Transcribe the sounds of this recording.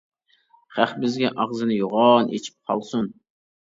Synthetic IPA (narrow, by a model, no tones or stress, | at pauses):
χæχbɪzɡʲɛʔɑʁzɨnɨjoʁɑːnʔḛt͡ʃʰi̥p̚qʰɑ̰lˠsun